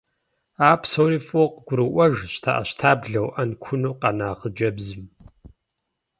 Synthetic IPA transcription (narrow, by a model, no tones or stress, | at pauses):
aːpsowɾiːfʼoqɡ̥ʷʊɾɨʔʷɐʒɕtʰa̰ːʔɐɕtʰaːbɮɐwʔɐnkʷʰʊnuːqɐnaːqəd͡ʒɐbzɨm